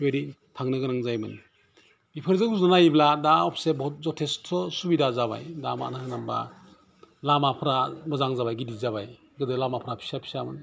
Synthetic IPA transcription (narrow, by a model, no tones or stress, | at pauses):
weɾi | tʰaŋnɯɡɯɾaŋzajmɯn | bipʰɯɾzɯɡuznanajbladaɔpʰsebɔt̚zɔtʰestʰɔsubidazaβa̰jdama̰naanamba̰ | lamapʰɾamɯzaŋzabajɡidizaβaj | ɡɯdɯlamapʰɾapʰi̥sapʰi̥samɯ̰n